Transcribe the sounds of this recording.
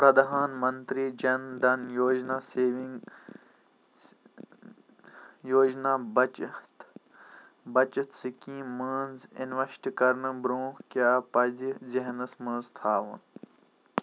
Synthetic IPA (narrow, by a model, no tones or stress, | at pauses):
pɾɐd̪ɐɦaːnmɐnt̪ɾiːd͡ʒɐnd̪ɐnjoːd͡ʒnaːseːʋiŋ | joːd͡ʒnaːbt̪ | bɐt͡ʃɐt̪sikĩːməːnzḭnʋɐʃʈikɐɾnɨbɾũːhkjaːpɐziziɦnɐsmɐ̃ːnzt̪ʰaːʋɐ̰n